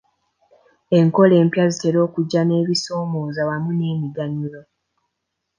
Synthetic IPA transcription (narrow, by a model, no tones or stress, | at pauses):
e̞ŋko̞le̞ːmpjazite̞ɾo̞ːkuɟːane̞ːβiso̞ːmo̞ːzawamune̞ːmiɡaɲulo